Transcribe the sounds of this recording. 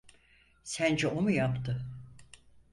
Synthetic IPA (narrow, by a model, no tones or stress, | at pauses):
sænd͡ʒɛʔomujapt̪ʰɯ